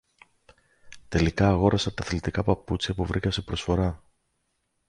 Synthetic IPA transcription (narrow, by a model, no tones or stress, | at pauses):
t̪e̞likɐːɣo̞ɾɐsɐt̪ɐθlit̪ikɐpɐput͡sçɐpuvɾikɐse̞pɾo̞sfo̞ɾɐ